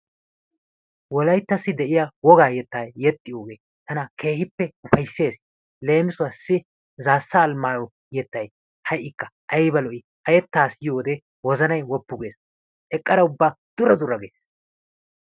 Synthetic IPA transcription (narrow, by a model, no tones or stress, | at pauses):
wɔlɐjt̪ːɐsːɪd̪ɛʔɪjawɔɡaːjɛt̪ːaːjːɛt̪ʼːɪjoːɡe̞ː | t̪ɐnɐkʰe̞ːhɪpːɛʊfɐjsːe̞ːs | le̞ːmɪsʊɐsːɪ | zaːsːɐːlmaːjɔ | jɛt̪ːɐj | hɐjʔɪkːɐʔɐjbɐlɔʔɪ | ɐjɛt̪ːaːsjoːd̪ɛ | wɔzɐnɐjwɔpːʊɡe̞ːs | ʔɛkʼːɐɾɐʊbːaː | d̪̥ʊɾɐd̪ʊɾːɐɡeːs